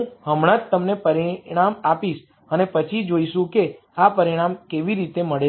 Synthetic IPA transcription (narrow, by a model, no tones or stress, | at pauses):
ɦəmɽ̃at̪t̪əmnepəɾiɽ̃amapiʃ | ənepət͡ʃʰid͡ʒoiʃũke | apəɾiɽ̃amkeʋiɾit̪eməɭe